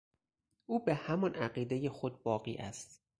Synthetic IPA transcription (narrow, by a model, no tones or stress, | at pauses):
ʔuːbehæmɒnæɢiːd̪e̞je̞xod̪̚bɒːɢiːʔæ̰st̪